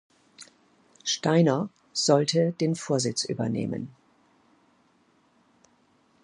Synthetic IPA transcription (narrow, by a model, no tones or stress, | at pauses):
ʃtaɪnɐ | z̥ɔltəd̥eːnfoːɐzɪt͡sʔy̰ːbɐnḛːmə̰n